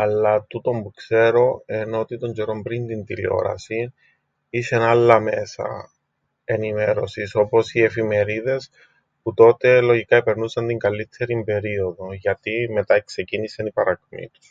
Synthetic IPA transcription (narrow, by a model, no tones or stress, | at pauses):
ɐlːɐt̪ut̪o̞mpukse̞ɾo̞enot̪it̪o̞ɲd͡ʒeɾombɾint̪int̪ilḭo̞̰ɾɐ̰si | isenalːɐme̞sɐ̰ | e̞nime̞ɾo̞siso̞po̞sie̞fime̞ɾiðe̞s | put̪o̞t̪e̞lo̞ʝikɐepe̞ɾnusɐnt̪iŋɡɐlit̪ʰːe̞ɾimbe̞ɾioðo̞ʝɐt̪ime̞t̪ɐekse̞cinisɐnipɐɾɐkmḭt̪u̥s